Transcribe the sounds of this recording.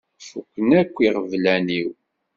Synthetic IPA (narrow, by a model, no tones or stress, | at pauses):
fukʷːənækʷːiʁəvlæniw